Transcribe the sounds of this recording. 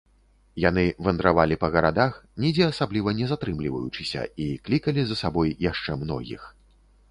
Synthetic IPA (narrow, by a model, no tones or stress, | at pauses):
jan̪ɨvɐnd̪ɾavalʲipɐɣɐɾad̪axnʲid͡zʲɛasablʲivɐnʲɛzat̪ɾɨmlʲivɐ̰jut͡ʂɨsʲɐ̰iklʲikɐlʲizɐsabɔjjaʂt͡ʂɛmnɔ̰ɣʲḭx